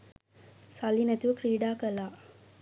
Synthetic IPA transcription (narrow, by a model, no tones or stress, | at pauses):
salːinɛt̪uʋəkɾiːɖaːkəlaː